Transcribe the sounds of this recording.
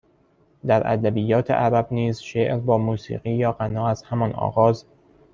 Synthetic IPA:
d̪æɾæ̰d̪æbiːjːɒːt̪ʰḛʔæɾæbniːzʃeːʔɾbɒːmuːsḭːɣiːjɒːɢænɒːæz̥hæmɒnɒ̰ːɣɒːz

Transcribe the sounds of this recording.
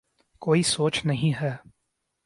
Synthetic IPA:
koːisoːt͡ʃnɐɦĩɦɛː

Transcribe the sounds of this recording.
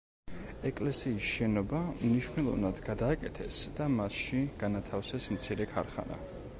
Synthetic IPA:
ɛkʼlɛsiːsʃɛnɔbamniʃvnɛlˠɔ̰vnad̪ɡad̪aːkʼɛt̪ʰɛsd̪̥amasʃiɡ̥anat̪ʰafsɛsmt̪sʰiɾɛkʰa̰ɾχa̰na̰

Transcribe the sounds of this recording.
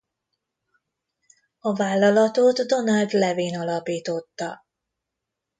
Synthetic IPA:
ɒvaːlːɒlɒt̪oːt̪ːo̞nɒld̪lɛviːnɒlɒpiːt̪o̞t̪ːɒ̰

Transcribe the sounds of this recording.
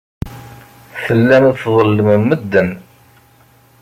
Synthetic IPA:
θəlːænðθðˤəlːəməmːəd̪ːən

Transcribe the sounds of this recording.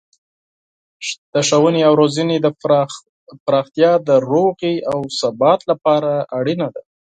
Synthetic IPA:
t̪aʃawəneawɾozəned̪ə | pɾɑxt̪jɑd̪əɾoɣiawsabɑt̪lapɑɾaaɽinad̪a

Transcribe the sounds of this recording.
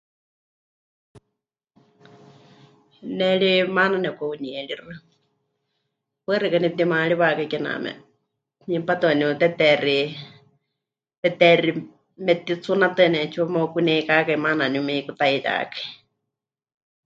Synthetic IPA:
nɛɺimananɛkauniɛɺirɨ | pɛrɨkanip̚t̪̬imaɺiβakaikɛna̰mɛ̰ | nipat̪ɨaniut̪ɛt̪ɛri | t̪ɛt̪ɛri | mɛt̪it͡sʰunat̪ɨnɛt͡ʃʰuamokunɛkakaimananumɛikut̪aiɾa̰kḁi

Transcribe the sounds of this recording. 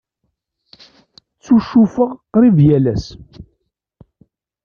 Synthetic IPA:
t͡sːuʃːufəʁqɾiðjælæs

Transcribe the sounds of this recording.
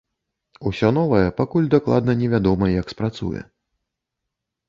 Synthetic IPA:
usʲɔnɔvɐjɛpakulʲd̪aklˠa̰d̪nɐnʲɛvʲad̪ɔmɐjɐkspɾat̪sṵjɛ̰

